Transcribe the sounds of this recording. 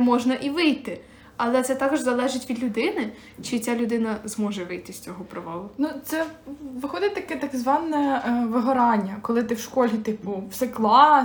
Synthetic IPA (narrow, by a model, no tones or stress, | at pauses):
mɔʒnɐʔiʋɪjt̪ɪ | ɐlˠɛt̪sɛt̪ɑkɔʒzɐlˠɛʒɪtʲʋʲid̪lʲʊd̪ɪnɪ | t͡ʃɪt͡sʲalʲʊd̪ɪnɐzmɔʒɛʋɪjt̪ɪsʲt͡sʲɔɦɔpɾɔʋɑlˠʊnut̪sɛʋɪxɔd̪ɪtʲt̪ɐkɛt̪ɐkzʋɑnɛʋɪɦɔɾɑnʲːɐkɔlˠɪt̪ɪwʃkɔlʲit̪ɪpʊwsɛklˠɑ